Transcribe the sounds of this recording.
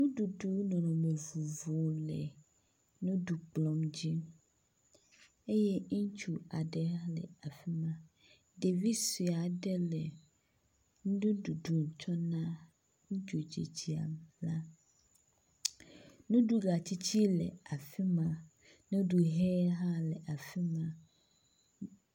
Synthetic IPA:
nũ˦du˨du˦nɔ̃˨nɔ̃˨me˨vu˨vo˨lɛ̰˨ | nũ˦du˨k͡plɔ˨md͡ʑi˦ | e˦je˦t͡ʃu˦a˨ɖe˨ɦa˦lɛ̰˨a˨fi˦mã˨ | ɖe˨vi˦si˨a˨ɖɛ˦lɛ˨ | nũ˦dũ˦du˨du˨ŋ˨t͡ʃɔ˦nã˦ | ŋ̩˦t͡ʃu˨d͡ʑḭ˨d͡ʑi˦a̰˨mla˦ | nũ˦ɖu˦ɡa˨t͡ɕi˦t͡ɕʰi˦lɛ̰˨a˨fi˦mã˨ | nũ˦du˨ɦɛ˦ɦa˦lɛ˨ʔa˨fi˦mã˨

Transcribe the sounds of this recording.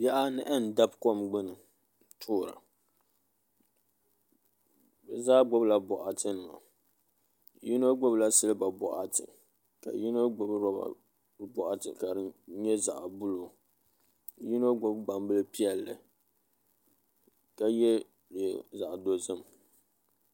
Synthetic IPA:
ja˦ʔa˦nɨ˦ʔɛ˦n̩˨da˦bkɔ˦mɡ͡bɨ˦nɨ˨ | tʰʊː˦ɾa̰˨ | bɛ˨zaː˦ɡ͡bo˦bla˨bɔ˨ʔa˨tɨ˦nɨ˨ma̰˨ | ji˦no˦ɡ͡bo˦bla˦sɨ˦lɨ˦ba˨bɔ̰˨ʔa˨tɨ̰˨ | ka̰˨ji˦no˦ɡ͡bo˨bɨ˦ba˨ba̰˨ | bɔ˨ʔa˨tɨ̰˨ka˨ɾɨ˦ɲɛ˦za˨ʔbu˦lo˨ | ji˦no˦ɡ͡bo˦bɡ͡ba˨mbɨ˦lɨ˦pi˦ɛ˨lːɨ̰˨ | ka˨jɛ˦˨ | za˨ʔdo˦zɨ˦m

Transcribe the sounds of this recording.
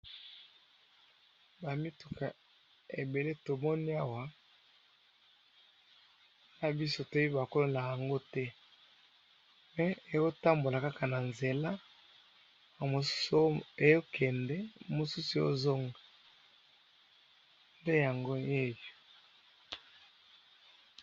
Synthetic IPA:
ba˨mi˦tu˨kʰa˨ | e˨be˨le˦to˨mɔ˦ni˦a˦wa˨ | na˦bi˦so˦to˦i˦ba˨ko˦lo˦na˨ja˨ŋɡo˦tɛ˦ | mɛ˨e˨jo˦ta˦mbo˨la˨ka˦ka˨na˨nze˨la˦˨ | mo˨su̥˦se˨jo˦kʰɛ˨ndɛ˦mo˨su˦su˨jo̰˦zo˦ŋɡa˨ | nde˦ja˨ŋɡo˦e˦jo˨

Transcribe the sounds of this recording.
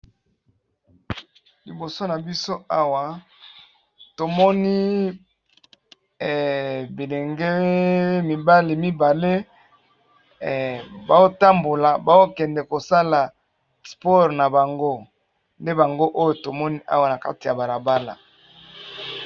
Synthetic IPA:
li˨bo˨so˦na˨bi˦so˦a˦wa˨ | to˨mɔ˦ni˦˨ | bi˨le˨ŋɡe˦mi˨ba˦li˨mi˦ba˨le˦˨ | ba˨o˦ta˦mbo˨la˨ba˦o˦kɛ˨ndɛ˨ko˨sa˦la˨ | spɔ˦ʁna˨ba˨ŋɡo˦ | nde˦ba˨ŋɡo˦ʔo˦jo˨to˨mɔ˦ni˦ʔa̰˦wa˨na˨ka˦ti˨ja˨ba˨la˨ba˦la̰˨

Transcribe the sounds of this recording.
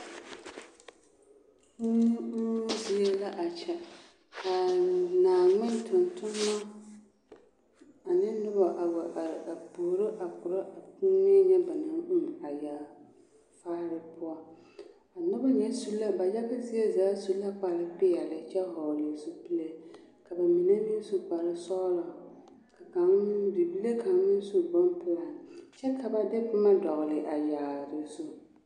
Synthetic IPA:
zɪ˦jɛ˦la˦ʔa˨t͡ʃɛ˨ | a˨naː˨ŋɪ˦n˦tʊ˨ntʊ˦m˦ma˦ | a˨nɪ˦nʊ˦ba˨ʔa˨wa˨ʔa˨buː˨ɾɪ˦ʔa˨kʊ˨ɾa˦ʔa˨pu˦ɲe˦ɲɛ˦ba˨nɨ˨ŋ̩˦m˨a˨ja˨ | faː˦ɾɪ˦pʊ˦a˦ | a˨nʊ˦ba˦ɲɛ˦su˦lːa˦ba˨ja˦bɨ˦zɪ˦e˦zaː˨˦su˦la˦k͡pa˨ɾɪ˦pɪ˦ja˨lɪ˦t͡ʃɛ˦ɦɔ˨lɪ˨zu˦pi˦le˦ | ka˨ba˨mi˨ne˦mɪ˦n˦su˦k͡pa˨ɾɨ˦sɔ˦la˨ | ka˨ka˨ŋdi˨bi˦le˦ka˨ŋ˦nɪ˦n˦su˦bɔ˦mpʊ˦la˨nt͡ʃɛ˦ka˨ba˦dɪ˦pʊ˦ma˦dɔ˨ɣlɪ˨ʔa˨ja˨ɾɪ˨zʊ˦

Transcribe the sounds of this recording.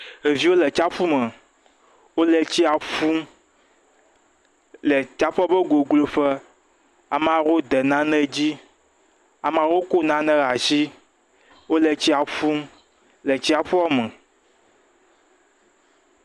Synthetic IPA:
e˨vi˦wo˦lɛ˨t͡ʃa˦fu˦mə̃˨ | wo˦lɛ˦t͡ɕi˦a˨fu˦ | lɛ˨t͡ʃa˦ɸɔ˦bə˦ɡo˨ɡlo˨ɸə˦ | a˨m˦ã˨wo˦d̪ɛ˨nã˦nɛ̃˦d͡ʑi˦ | a˨m˦ã˨wo˦ko˦nã˦nɛ̃˦ɣa˨zi˦ | wo˦lɛ˨t͡ɕi˦a˨fu˦ | lɛ˨t͡ɕi˦a˨ɸu˦ɔ˦mə̃˨

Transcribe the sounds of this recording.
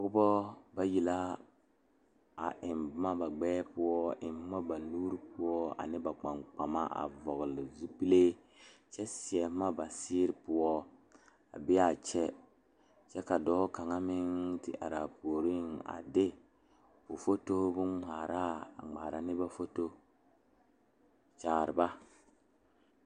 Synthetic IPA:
ɔ˦ɡbɔ˦ba˦ji˨la˦ | a̰˨ʔɪ˨mbma˦ba˨ɡ͡bɛː˦pʊ˦ɔ˦ʔɪ˨m˦ma˦ba˨luː˦ɾpʊ˦ɔ˦a̰˨nɪ˦ba˨k͡pa˨ŋk͡pa˨ma̰˦ʔa̰˨vɔ˨ɣlɪ˨zu˦pi˦le˦ | t͡ʃɛ˦si˨ɛ˨˦ma˦ba˨sɪː˦ɾpʊ˦ɔ˦ | a̰˨bɪ˦a˨t͡ʃɛ˦ | t͡ʃɛ˦ka˨dɔː˦ka˨ŋa˦mɪ˦ŋtɪ̰˨ʔa̰˨ɾa˨po˨ɾi˦na̰˨dɪ˦ | ʊ˨fo˦to˦bʊ˦ŋ͡maː˨ɾʔa˦a̰˨ŋ͡ma̰ː˨ɾa˨nɪ˦ba˦fo˦to˦ | t͡ʃaː˨ɾɪ˨ba˦

